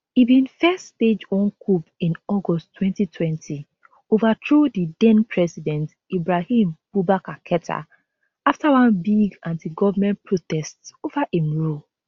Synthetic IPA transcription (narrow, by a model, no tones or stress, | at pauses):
ibĩnfɛststed͡ʒɔ̃nkʰupĩnɔɡɔstːwɛ̃ntitʰwɛ̃ntʰi | ovatɹodidɛ̃npʰɹɛsidɛ̃nt | ibɹahĩmb̥ubakakʰɛtʰa̰ | aftawãnbiɡãntiɡɔvamɛ̃npɹotɛstsovaʔimɹo